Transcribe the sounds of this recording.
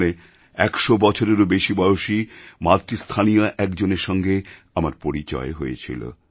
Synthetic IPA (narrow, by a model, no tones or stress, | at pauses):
le | ɛkʃobɔt͡ɕʰoɾeɾobeʃibɔjoʃimat̪ɾist̪ʰanijoʔɛkd͡ʑoneɾʃɔŋɡe | amaɾpoɾit͡ɕɔ̰eɦojḛt͡ɕʰḭlo̰